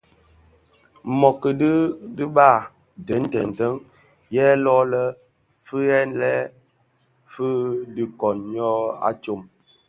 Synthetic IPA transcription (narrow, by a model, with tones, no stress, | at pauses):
mɔ˨kə˨di˦dɨ˦ɓa˦˨ | dɛ˨˦n˦tɛ˨n˨tə˦ŋ | jɛ˦lɔː˦lə˦ | fə˦ɛ˦nlɛ˦ | fə˦dɨ˨kɔ˨nɲɔ˦a̰˦t͡ʃo˦˨m